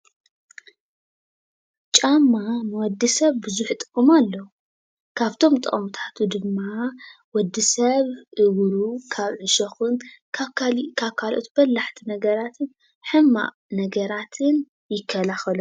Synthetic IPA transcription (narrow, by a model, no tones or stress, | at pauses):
t͡ʃʼamːamɨwɔd̪ːisɐβbɨzuħt̪ʼɨ̥kʼːɨmalːɐwu | kʰaβt̪ʰo̞mt̪ʼɨʔʼmt̪ʰḁt̪ʰud̪ɨmːa | wɔd̪ːisɐβʔɨwɾukʰaβʕɨʃɐxɨnkʰkʰaβkʰalʔo̞̰t̪bɐlːaħt̪ʰinɐɡɐɾat̪ʰɨn | ħɨmːa̰ʔ | nɐɡɐɾat̪ʰɨn | jɪkʰːɐlaxɐlu